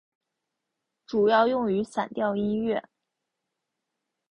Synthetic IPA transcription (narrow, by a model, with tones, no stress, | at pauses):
ʈ͡ʂu˨˩jɑ˥˧ʊjʊ˥˩ŋy˧˥sa˨˩nt̪jɑ˥˧ʊi˥nɥɛ˥˩